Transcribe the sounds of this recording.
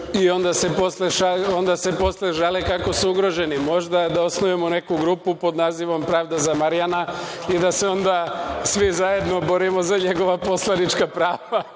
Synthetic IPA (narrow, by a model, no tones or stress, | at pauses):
io̞nd̪ase̞posleʃao̞nd̪asepo̞sleʒalekako̞suuɡɾo̞ʒe̞nimo̞ʒd̪ad̪aosnojemone̞kuɡɾupupo̞d̪naːziʋo̞mpɾaːʋd̪azamaɾijanaid̪ase̞o̞nd̪asʋizaje̞d̪no̞bo̞ɾimo̞zaɲe̞ɡo̞ʋaposlˠanit͡ʃkapɾaːʋa